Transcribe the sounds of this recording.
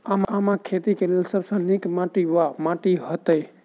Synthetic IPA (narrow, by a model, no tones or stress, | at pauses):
amamãkʰet̪ikelelsəɾsə̃nikmãʈiʋamaʈiɦət̪ej